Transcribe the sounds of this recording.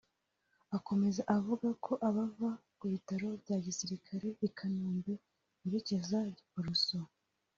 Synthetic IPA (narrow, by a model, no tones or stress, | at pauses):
ako̞me̞zaʔavuɡakʰo̞ʔaβavakuβitaɾo̞bɟaːɟisiɾikʰaɾe̞ikʰanuːmbe̞ | iɾecezauɾuso